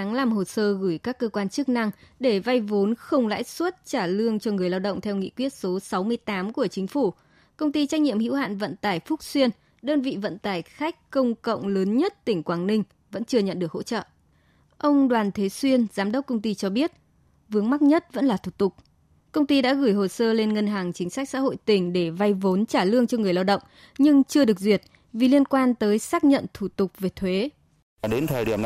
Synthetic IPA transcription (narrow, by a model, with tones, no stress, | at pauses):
a˨˦ŋlaː˨˩mɦo˨˩səː˧ɣɨ˧˩jkaː˦˥kːəː˧kwaː˧nt͡ɕɨ˦˥k̚na˧ŋɗe˧˩va˧jvo˨˦nxə˧wŋ͡mla̰ː˧˥jswə˦˥t̚t͡ɕaː˧˩lɨ˧əŋt͡ɕɔ˧ŋɨ˨˩əjlaː˧wɗə̰˧˨wŋ͡mt̪ʰɛ˧wŋḭ˧˨kwi˦˥ət̚so˨˦sa˨˦wmɨ˧əjt̪aː˨˦mku˧˩ət͡ɕï˨˦ŋ̟fu˧˩ | kə˧wŋ͡mt̪i˧t͡ɕa˦˥k̟̚ɲḭ˧˨əmhḭ˧˥wha̰ː˧˨nvə̰˧˨nt̪aː˧˩jfʊ˦˥k͡p̚swi˧ən | ɗəː˧nvḭ˧˨və̰˧˨nt̪aː˧˩jxa˦˥jk̚kə˧wŋ͡mkə̰˧˨wŋ͡mləː˨˦nɲə˦˥t̚t̪ï˧˩ŋ̟kwaː˧˩ŋnï˧ŋ̟ | və̰˧˥nt͡ɕɨ˧əɲə̰˧˨nɗɨ˨˩ək̚ho̰˧˥t͡ɕə̰ː˧˨ʔ | ʔə˧wŋ͡mɗwaː˨˩nt̪ʰe˨˦swi˧ənzaː˨˦mɗə˦˥wk͡p̚kə˧wŋ͡mt̪i˧t͡ɕɔ˧ɓi˦˥ət̚ | vɨ˨˦əŋma˦˥t̚ɲə˦˥t̚və̰˧˥nlaː˨˩t̪ʰu˧˩t̪ʊ˨˩k͡p̚ | kə˧wŋ͡mt̪i˧ɗa̰ː˧˥ɣɨː˧˩jɦo˨˩səː˧le˧nŋə˧nɦaː˨˩ŋt͡ɕï˨˦ŋ̟sa˦˥jk̚sa̰˧˥ɦo̰˧˨jt̪ï˧˩ŋ̟ɗe˧˩va˧jvo˨˦nt͡ɕaː˧˩lɨ˧əŋt͡ɕɔ˧ŋɨ˨˩əjlaː˧wɗə̰˧˨ŋ͡m | ɲɨ˧ŋt͡ɕɨ˧əɗɨ˨˩ək̚zwi˨˩ət̚ | vi˨˩li˧ənkwaː˧nt̪əː˨˦jsaː˦˥k̚ɲə̰˧˨nt̪ʰu˧˩t̪ʊ˨˩k͡p̚ve˨˩t̪ʰwe˨˦ | ɗe˨˦nt̪ʰəː˨jɗi˧˩ə